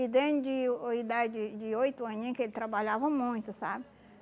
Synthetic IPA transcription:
id̪ẽnd͡ʒɪoid̪ad͡ʒɪd͡ʒɪojt̪ʊɐ̃ɲẽkelɪt̪ɾabaʎavɐmũj̃t̪ʊsa̰bɪ

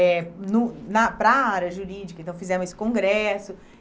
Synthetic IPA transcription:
ɛnʊnɐpɾɐaɾɐʒuɾid͡ʒikɐẽt̪ɐ̃w̃fizɛ̃mʊzesɪ̥kõɡɾɛsʊ

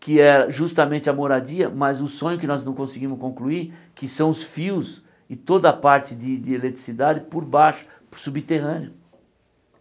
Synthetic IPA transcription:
kʰɪɛɾɐʒust̪ɐmẽnt͡ʃ̪ɪɐmoɾadiɐmɐzʊsõɲʊkɪnɔznɐ̃w̃kõsɪɡĩmʊskõkluiɾkɪsɐ̃w̃ʊsfiws | ɪt̪od̪ɐpaɾt͡ʃɪd̪ɪd̪ɪelet̪ɾisid̪ad̪ɪpoɾbaʃʊ̥ | subit̪eɦɐ̃nɪʊ

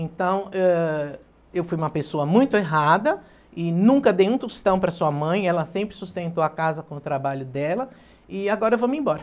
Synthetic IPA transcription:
ẽnt̪ɐ̃w̃ɛ | ewfujũmɐpesoɐmũj̃t̪ʊeɦad̪ɐ | ɪnũŋkɐd̪ejũt̪ust̪ɐ̃w̃pɾɐsuɐmɐ̃j̃ɛlɐsẽmpɾɪsust̪ẽnt̪oakazɐkõʊt̪ɾabaʎʊd̪ɛlɐ | ɪaɡɔɾɐevomẽbɔɾɐ

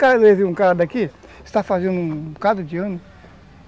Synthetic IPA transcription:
kaleziũkaɾɐd̪aki | ɪst̪afazẽnd̪ũkad̪ɾʊd͡ʒiɐ̃nʊ

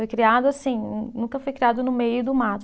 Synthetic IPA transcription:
ojkɾiad̪ʊasĩnũkɐfojkɾiad̪ʊnʊmejʊd̪ʊmat̪

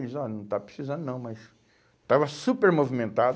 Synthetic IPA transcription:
izɔnɐ̃w̃t̪apɾe̥sizɐ̃nd̪ʊnɐ̃w̃mɐs | t̪avɐsupeɾmovimẽnt̪ad̪

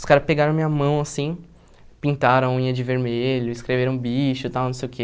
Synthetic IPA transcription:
ʊskaɾɐspeɡaɾɐ̃w̃mĩɲɐmɐ̃w̃asĩ | pĩnt̪aɾɐ̃w̃ĩɲɐd͡ʒɪveɾmeʎʊɪskɾeveɾɐ̃w̃biʃʊt̪aw̃nɐ̃sejʊke

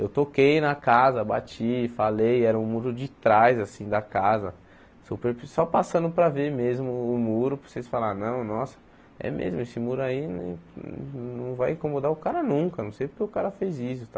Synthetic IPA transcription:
ewt̪okejnɐkazɐba̰t͡ʃifalejɛɾɐũmuɾʊd͡ʒɪt̪ɾajzasĩd̪ɐkazɐ | sopeɾsɔpasɐ̃nd̪ʊpɾɐveɾmezmʊːmuɾʊpo̥sesfalaɾnɐ̃w̃nɔsɐ̥ | ɛ̰mḛzmʊesɪmuɾʊainḛ̃nɐ̃w̃vajĩkõmod̪aʊkaɾɐnũkɐnɐ̃w̃sejpʊɾkʲeʊkaɾɐfejzis̬ʊt̪a

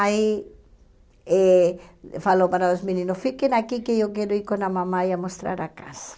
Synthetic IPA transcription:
ai | e | falopaɾalozmĩnĩnʊsfikenakikeewkɛɾoiɾkonamãmaiamost̪ɾa̰ɾakasḁ

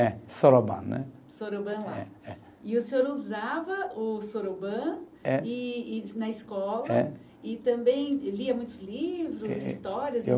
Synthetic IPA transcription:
ɛsoɾobɐ̰̃nɛ̰ | soɾobɐ̃laɛ̰ɛ | ɪʊsẽoɾuzavɐʊsoɾobɐ̃ | ɛɪnɐɪskɔlɐɛ | ɪt̪ɐ̃mbẽj̃liɐmũj̃t̪ʊzlivɾʊzḭst̪ɔɾiɐz

